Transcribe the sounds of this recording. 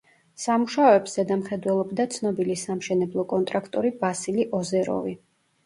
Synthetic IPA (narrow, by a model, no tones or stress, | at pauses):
samuʃaɔɛbsz̥ɛd̪amχɛd̪wɛlˠɔbd̪at̪sʰnɔbilisamʃɛnɛblˠɔkʼɔnt̪ʼɾakʰt̪ʼɔɾibasiliʔɔzɛɾɔ̰vi